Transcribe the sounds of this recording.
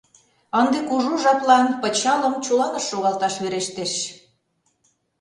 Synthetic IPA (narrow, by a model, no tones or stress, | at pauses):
ənd̪ekuʒuʒɑplɑnpət͡ɕɑlə̆mt͡ɕulɑnəʃːoɣɑlt̪ɑʃβeɾeʃt̪eʃ